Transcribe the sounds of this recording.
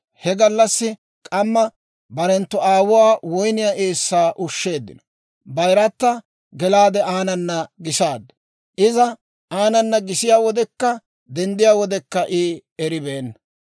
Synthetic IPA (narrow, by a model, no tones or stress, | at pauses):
hɛɡɐlːɐsːɪ | kʼɐmːɐ | bɐɾɛnt̪ːɔaːwʊwaːwɔjnɪjaʔeːsːaːʔʊʃːe̞ːd̪ːɪ̰nɔ̥ | bɐjɾɐt̪ːɐ | ɡɛlaːd̪ɛaːnɐnːɐɡɪsaːd̪ɐ̥ | ʔɪzɐ | aːnɐnːɐɡɪsɪjaːwɔd̪ɛkːɐ | d̪ɛnd̪ɪjaːwɔd̪ɛkːɐʔɪɛɾɪbeːnːɐ